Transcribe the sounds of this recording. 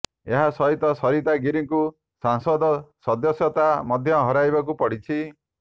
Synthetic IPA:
eɦasɔɦit̪ɔsɔɾit̪aɡiɾiŋku | saŋsɔd̪ɔsɔd̪ɔsjɔt̪amɔd̪ʱjɔɦɔɾajbakupɔɽit͡ʃʰi

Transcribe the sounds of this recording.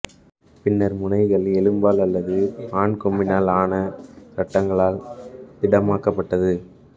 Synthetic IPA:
pɪnːɐɾmʊnɐɪɣɐɭɛlɯmbaːlɐlːɐðɯpaːɳkɔmbɪnaːlaːnɐsɐʈːɐŋɡɐɭaːlt̪ɪɽɐmaːkɐpːɐʈːɐðɯ

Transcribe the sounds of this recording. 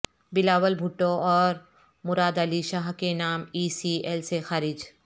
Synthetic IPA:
bɪlaːwəlbʱʊʈːõɔːɾ | mʊɾaːd̪əliʃaːɦkenaːmiːsielsexaːɾɪd͡ʒ

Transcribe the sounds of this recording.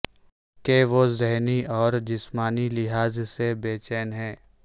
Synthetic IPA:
keʋozɛɦniɔːɾd͡ʒɪsmaːnilɪɦaːzsebeːt͡ʃɛːnɦɛ̃ː

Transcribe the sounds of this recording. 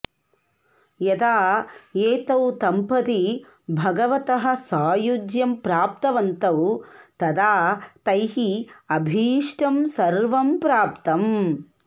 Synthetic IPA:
jɐd̪aːeːt̪ɐwt̪ɐmpɐt̪i | bʱɐɡɐʋɐt̪ɐɦɐ̆saːjud͡ʒjɐmpɾaːp̚t̪ɐʋɐnt̪ɐwt̪ɐd̪aːt̪ɐjɦiɐbʱiːʂʈɐmsɐɾʋɐmpɾaːpt̪ɐm

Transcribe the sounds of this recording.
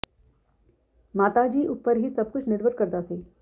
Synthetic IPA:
maːt̪ad͡ʒiːʔʊpːəɾɦisɐb̚kʊt͡ʃʰnɪɾbʱəɾkəɾd̪aːseː

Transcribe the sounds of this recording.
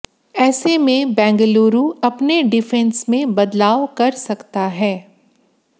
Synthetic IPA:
ɛːsemẽbɛ̃ːŋɡloːɾuɐpneɖɪfɛ̃nsmẽbɐd̪laːʋkɐɾsɐkt̪aɦɛː

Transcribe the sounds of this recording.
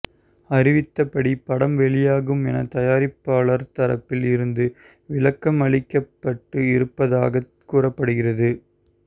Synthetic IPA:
ɐɾɪʋɪt̪ːɐpːɐɽipɐɽɐmʋɛɭɪjaːɣɯmɛnɐt̪ɐjaːɾɪpːaːɭɐɾt̪ɐɾɐ̰pːɪlɪɾɯnd̪ɯ | ʋɪɭɐkːɐmɐɭɪkːɐpːɐʈːɯɪɾɯpːɐða̰ːɣɐ | kuːrɐpːɐɽɯɣɪrɐðɯ

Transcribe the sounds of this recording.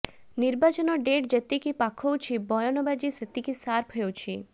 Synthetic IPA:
niɾbat͡ʃɔnɔɖeʈd͡ʒet̪ikipakʰowt͡ʃʰibɔjɔnɔbad͡ʒiset̪ikisaɾpʰɦeewt͡ʃʰi

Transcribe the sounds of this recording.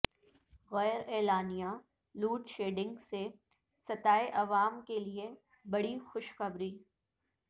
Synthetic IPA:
ɣɛːɾɛːlaːnija | luːʈʃeːɖɪ̃ŋɡse | sɐt̪aːeʔɐʋaːmkelie | bɐɽixʊʃxɐbɾiː

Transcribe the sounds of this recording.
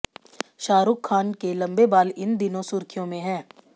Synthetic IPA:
ʃaːɾʊːkʰːaːnkelɐ̃mbebaːlɪnd̪ɪnõsʊɾkʰijõmẽɦɛ̃ː

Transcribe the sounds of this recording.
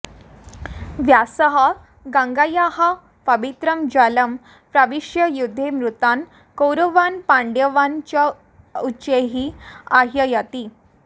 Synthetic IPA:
ʋjasəɦa | ɡãŋɡajaɦa | pəʋit̪ɾəmd͡ʑaləm | pɾaʋiʂjəjud̪ʱːemɾut̪an | kowɾəʋanpãɳɖjəʋant͡ɕja | ut͡ɕeɦiːaɦjəjat̪iː

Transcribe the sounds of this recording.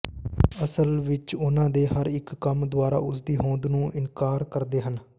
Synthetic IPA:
əsəlʋɪt͡ʃʊnãːd̪eːɦəɾɪkːəmd̪ʊaːɾa̰ːʊsd̪iːɦõːnd̪nũːʔɪnkaːɾkəɾd̪eːɦən

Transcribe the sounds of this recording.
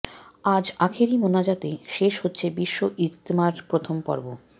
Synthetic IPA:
ad͡ʑakʰeɾimonad͡ʑat̪eʃeʃhotːɕʰebiʃːoʔit̪ːmaɾpɾot̪ʰompɔ̰ɾbo

